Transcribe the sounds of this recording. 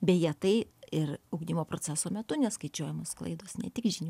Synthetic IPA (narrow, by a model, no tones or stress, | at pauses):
bʲɛjiɛt̪ɐɪɪrɐʊɡd̪ʲɪmoːpɾot͡sʲæːsoːmʲɛt̪ʊnʲɛskɐɪt͡ʃʲuɔjɛmoːsklˠɐ̰ɪd̪oːsnʲɛ̰t̪ʲɪkʒʲɪnʲu